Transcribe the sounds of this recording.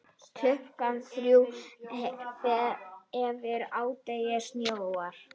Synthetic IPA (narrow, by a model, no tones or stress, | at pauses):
t̪ʰlʏhkanθɾjuw | θɛɛvɪɾaːwt̪ejɪsnjowaɾ̥